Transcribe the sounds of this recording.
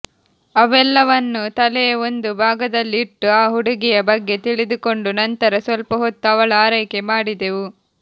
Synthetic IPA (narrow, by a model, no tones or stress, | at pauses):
ɐʋɛlːɐʋɐnːut̪ɐlɛjɐo̞nd̪ubʱaːɡɐd̪ɐlːiːʈːuaːɦuɽuɡijɐbɐɡːe̞t̪iɭid̪uko̞ɳɖunɐnt̪ɐɾɐsʋɐlpɐɦot̪ːuɐʋɐɭɐaːɾɐjkemaːɽid̪eʋu